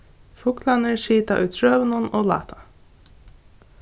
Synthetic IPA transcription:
fʊklanɪɹʃiːt̪aʔʊjt̪ʰɹœːvɪnʊnɔːlɑ̰ːt̪ʰa

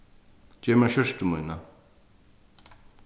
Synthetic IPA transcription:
t͡ɕemaɕʰoɕə̥ʈ͡ʂumojnːa

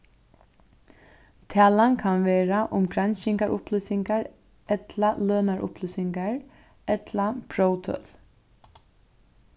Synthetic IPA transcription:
t̪ʰæːlankʰanʋeːɾaʔʊmkɾansɪŋkaɹʔʊ̰plʏsɪŋkaɹ | ɛt̪laløːnaɹʔʊ̰plʏsɪŋkaɹ | ɛt̪ʰlapʰɹowt̪ʰœ̰l

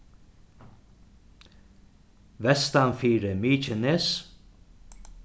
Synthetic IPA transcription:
ʋɛst̪anfiːɾəmiːt͡ʃənes

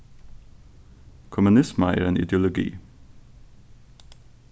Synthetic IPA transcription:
kʰʊmʉnɪsməæ̰ːɾeːnɪ̰d̪jʊlʊɡḭː

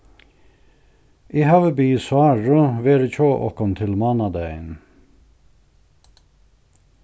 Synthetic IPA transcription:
ʔiːhɑʋəbyːsʊɑːɹʉʋeːɾəc͡çoːʔɔ̰kɔnt̪ʰɪlmɑːnɑd̪æɪn

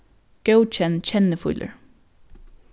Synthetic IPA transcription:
ɡ̥əʊt͡ʃɛnt͡ʃɛnəfʊ̰lʔə̰ɹ

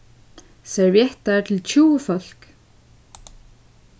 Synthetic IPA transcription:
sɛɾvjɛht̪aɛɾt̪ʰɪlt͡ɕʰuːwʏfɔl̥k

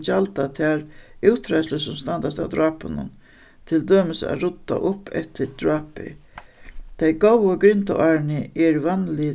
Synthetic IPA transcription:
t͡ɕalt̪at̪ʰaɾuwt̪ʰːɾajsləsʊmst̪and̪ast̪a̰wd̪ɾɑːpʊnʊ̰n | t̪ʰɪld̪øːməsa̰ɾʊt̪ːa̰ʔʊpːʰɛ̰t̪ɪɾd̪̥ɹɑːpɪ̰ | t̪ʰajɡowaɡɾɪnt̪a̰ʔaɹnɪʔɛɹʋanlɪ

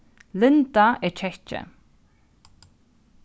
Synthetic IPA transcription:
lɪnt̪aɛt͡ʃʰɛt͡ʃə̰

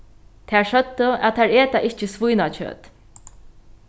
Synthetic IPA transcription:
t̪ʰaɹʂœt̪ːəæ̰t̪ʰːɛɹeːt̪aʔɪht͡ʃəsvujnat͡ʃʰø̰ːt̪

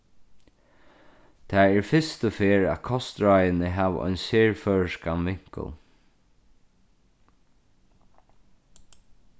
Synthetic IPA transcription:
t̪ʰæːɛɹfɪst̪əfeːɹæ̰ðkʰɔst̪ɹajənəɦæːʋ̰ʔɔ̰jnseːɹfœːɹəʂkanʋɪŋ̥kə̰l

